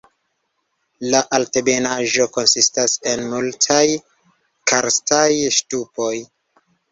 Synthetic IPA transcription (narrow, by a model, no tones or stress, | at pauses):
laʔalte̞be̞naʒo̞ko̞nsistase̞nmultʰaj | kaɾstajʃtupo̞j